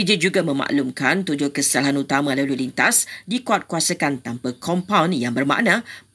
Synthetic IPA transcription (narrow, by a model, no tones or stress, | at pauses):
id͡ʒid͡ʒuɡamə̃mã̰ʔlumkant̪ud͡ʒʊhkəsə̥alɦanut̪amãlalulint̪asdikuat̪̚kuasakant̪ampakʰɔmpawnjaŋbərmã̰ʔnã